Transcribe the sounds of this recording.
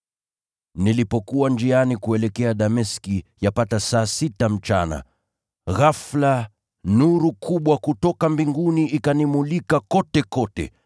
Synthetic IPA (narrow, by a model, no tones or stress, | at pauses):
nilipɔkuwand͡ʒianikuɛlɛkɛaɗamɛskijapatasaːsitam̩t͡ʃa̰na̰ | ɣafla | nuɾukuɓwakutɔkambiŋɡuniʔikanimulikakɔtɛkɔtɛ̰